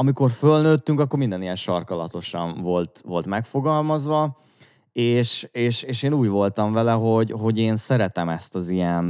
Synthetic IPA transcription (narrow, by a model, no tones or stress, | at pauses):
ɒmiko̞rfølnøːt̪ːyŋkɒkːo̞rmind̪ɛnijɛnʃɒrkɒlɒ̰t̪o̞ʃɒ̰nvo̞lt̪ʋo̞lt̪mɛkfo̞ɡɒlmɒzʋɒ | eːʃeːʃeːʃeːnuːɟʋo̞lt̪ɒɱvɛlɛɦo̞ɟɦo̞ɟeːnsɛɾɛt̪ɛmɛst̪ɒzijɛn